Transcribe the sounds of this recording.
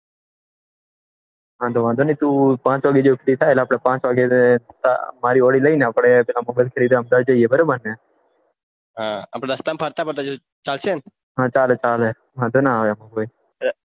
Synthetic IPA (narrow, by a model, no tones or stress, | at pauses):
ɦãd̪ʱoʋãnd̪ʱonəit̪ũpãːt͡ʃʋaːɡed͡ʒokʰɾit̪ʰajeleaːpɽ̃epãːt͡ʃʋaɡet̪a̰maɾioɽiləineapɽ̃epɛlamɔbajlkʰeɾid̪aəmd̪ad͡ʒəiebəɾabəɾne | ɦãa̰ːpɽ̃ed̪əst̪ampʰaɾt̪apəɾt̪ad͡ʒo | t͡ʃalt͡ʃen | ɦãt͡ʃaːlɛt͡ʃalɛ | ʋãːnd̪ʱonaaʋemoɡəj